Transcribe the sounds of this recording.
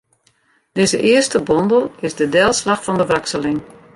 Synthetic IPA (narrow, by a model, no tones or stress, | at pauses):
d̥ɪzəʔɪəstəbɔndəlˠɪzdədɛlˠslaxfɔndəʋaksəlɪŋ